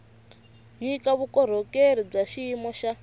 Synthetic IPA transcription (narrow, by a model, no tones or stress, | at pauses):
ɲikaβukɔɾ̤ɔkeɾ̤ib͡ʐaʃimɔʃa